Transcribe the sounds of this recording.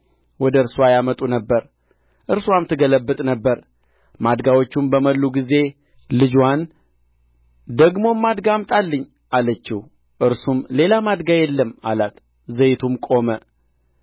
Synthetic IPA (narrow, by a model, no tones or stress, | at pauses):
wɔd̪əɨɾswajamət̪ʼunəbːəɾ | ʔɨɾswamt̪ʰɨɡələbːɨt̪ʼnəbːəɾ | mad̪ɡawot͡ʃːumbəməlːuɡize̞ | lɨd͡ʒwan | d̪əɡmo̞mːad̪ɡamt̪ʼalːɨɲː | ʔalət͡ʃːɪhu | ʔɨɾsumle̞lamad̪ɡajɛlːəma̰lat̪ | zəjt̪ʰumkʼo̞mə